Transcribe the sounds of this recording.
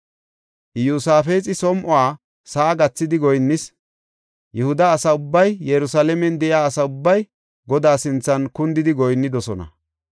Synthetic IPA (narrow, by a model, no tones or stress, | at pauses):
juːsaːfeːt͡sʼɪsɔmʔɔwaː | saːɡɐt͡sːɪd̪ɪɡɔjnːɪs | jɛhʊd̪ɐːsɐʊbːɐjjɛɾʊsaːlɛmɛnd̪ɛjaːɐsɐʊbːɐj | ɡɔd̪aːsɪnt͡sːɐnkʊnd̪ɪd̪ɪɡɔjnːɪd̪ɔsɔnɐ̰